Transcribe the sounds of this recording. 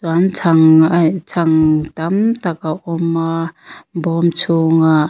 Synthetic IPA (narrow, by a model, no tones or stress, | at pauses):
swant͡sʰaŋt͡sʰaŋt̪amt̪akaʔɔmabɔmt͡sʰuŋa